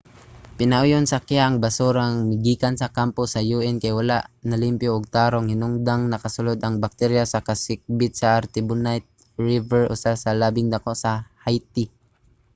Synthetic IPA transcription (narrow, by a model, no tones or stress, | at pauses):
pɪnɐʔʊjonsɐkɪaʔːŋbɐsuɾaŋmɪɡiːkansɐkampʊsɐjuːʔɛnkajwala̰ʔnɐlɪmpjoʔːɡ̚t̪aːɾoŋhɪnʊŋd̪aŋnɐkɐsʊlod̪ɐŋbak̚t̪ɛɾjasɐkɐsɪk̚bɪt̪̚sɐʔaɾt̪ɪbʊnajt̪̚ | ɹɪvɛɹʔʊsasɐlaːbɪŋd̪ɐkoʔsɐhajt̪ɪ